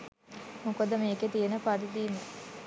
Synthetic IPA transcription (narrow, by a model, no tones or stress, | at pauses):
mukod̪əmeːket̪ijenəpad̪id̪iːmə